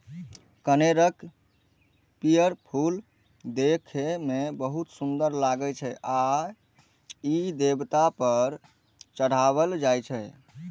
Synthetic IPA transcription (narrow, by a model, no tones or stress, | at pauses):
kəneɾək | pijəɾpʰul | d̪ekʰmebəɦut̪sund̪əɾlaɡət͡ʃʰɛʔa | id̪ebt̪apəɾ | t͡ʃəɽ̤aβəld͡ʒajt͡ʃʰɛ